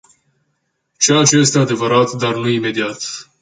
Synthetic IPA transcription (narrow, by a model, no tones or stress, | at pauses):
t͡ʃejat͡ʃejest̪e̞ad̪e̞vəɾat̪d̪arnuime̞d̪iat̪